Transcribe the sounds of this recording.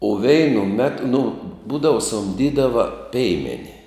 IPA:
ʊ ˈʋʲɛɪnʊ ˈmʲæːtʊ nʊ ˈbuːdɐʋʊ sʊmʲˈdʲiːdɐʋɐ ˈpʲɛɪmʲɛnʲɪ

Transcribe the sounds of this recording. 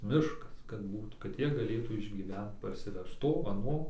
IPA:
ˈmʲɪʃkɐs kɐt ˈbuːt kɐt ˈjiɛ ɡɐˈlʲeːtuː ɪʒʲɡʲiːˈʋʲɛnt pɐrʲsʲɪˈʋʲɛʃt ˈtoː ɐˈnoː

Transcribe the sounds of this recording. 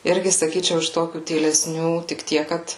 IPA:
ˈɪrʲɡʲɪ sɐˈkʲiːt͡ʃʲɛʊ ɪʃ ˈtoːkʲuː tʲiːlʲɛˈsʲnʲuː tʲɪk ˈtʲiɛk ˈkɐt

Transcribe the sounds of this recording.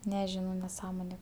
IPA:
nʲɛˈʒʲɪnɐʊ nʲɛˈsɑːmoːnʲeː

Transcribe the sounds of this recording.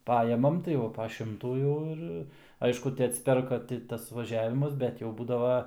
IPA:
ˈpɑːjɛmɐm tɐɪ ˈʋɐ pɐ ˈʃʲɪmtuː ˈjɛʊ ɪr ˈɐɪʃkʊ tʲɪ ɐtʲsʲɪˈpʲɛrkɐ ˈtʲɪ tɐs ʋɐˈʒʲæːʋʲɪmɐs ˈbʲɛt jɛʊ ˈbuːdɐʋɐ

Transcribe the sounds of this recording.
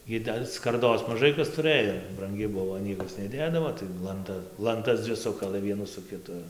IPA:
ˈɡʲɪ dɐ skɐrˈdoːs mɐˈʒɐɪ kɐs tʊˈrɘjoː brɐŋʲˈɡʲɪ ˈbʊʋoː ˈnʲiɛkɐs nʲɛˈdʲeːdɐʋoː tɐɪ lˠɐnˈtɐ lˠɐnˈtɐs ˈd͡zʲʋʲɪ ˈsʊkɐlˠɘ ˈʋʲiɛnuː sʊ kʲɪˈtʊ

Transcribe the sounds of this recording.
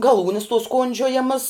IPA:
ɡɐˈlˠuːnʲɪs tuɔs ˈkoːnʲd͡ʒʲoːjɛmɐs

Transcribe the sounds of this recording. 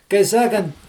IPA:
kɐɪ ˈsɑːkɐnt

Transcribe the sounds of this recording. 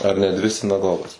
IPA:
ɐr nʲɛ ˈdʲʋʲɪ sʲɪnɐˈɡoːɡɐs

